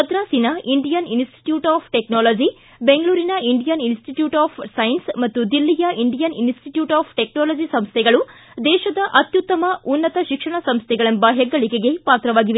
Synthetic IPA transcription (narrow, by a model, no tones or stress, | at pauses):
ɐd̪ɾaːsinɐiɳɖijɐninsʈi̥ʈjuːʈaːpʰʈeknoːloːd͡ʒi | beŋɡɐɭuːɾinɐiɳɖijɐninsʈiʈjuːʈaːpʰsɐjinsmɐt̪ːud̪ilːijɐʔiɳɖijɐninsʈiʈjuːʈaːpʰʈeknoːloːd͡ʒisɐmst̪ʰɛɡɐɭu | d̪ɛːʃɐd̪ɐʔɐt̪jut̪ːɐmɐunːɐt̪ɐʃikʂɐɳɐsɐmst̪ʰɛɡɐɭɐnbaːɦjɐɡːɐɭike̞ɡe̞paːt̪ɾɐʋaːɡiʋe